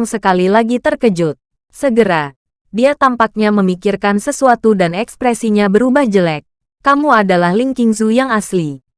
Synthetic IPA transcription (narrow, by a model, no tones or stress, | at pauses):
ŋsəkalilaɡit̪ərkəd͡ʒʊt̪̚ | səɡəɾa | diat̪ampak̚ɲaməmikirkansəsuat̪udanɛkspɾɛsiɲabəɾubahd͡ʒəlɛk̚ː | amuadalahliŋkiŋs̬ujaŋasli